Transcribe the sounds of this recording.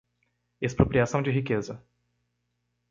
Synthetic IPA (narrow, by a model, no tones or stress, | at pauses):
espɾopɾiasɐ̃w̃d͡ʒɪɦikezɐ